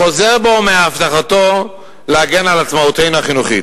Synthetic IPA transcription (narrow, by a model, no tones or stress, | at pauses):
χo̞ze̞ʁbo̞meaːft̪aχato̞ | leaɡe̞nalatt͡smaut̪ejnuaχinuχḭt